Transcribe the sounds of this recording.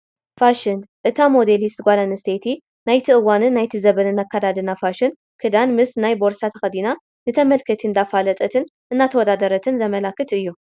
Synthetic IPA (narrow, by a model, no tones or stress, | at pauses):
faʃɪnʔɨt̪ʰamo̞d̪elist̪ɡʷad̪anɨst̪ʰet̪ʰi | najt̪ʰiʔɨwanɨnːajt̪ʰizɐβɐnɨnakʰːad̪ad̪ɨnafaʃɨn | kʰɨd̪anmɨsnajbo̞ɾsat̪ʰɐxɐd̪ina | nɨt̪ʰɐmɐlkʰɐt̪ʰind̪afalɐt̪ʼɐt̪ʰɨn | ʔɨnːat̪ʰɐwɔd̪ad̪ɐɾɐt̪ʰɨnzɐmɐlakːɨt̪ɨjːu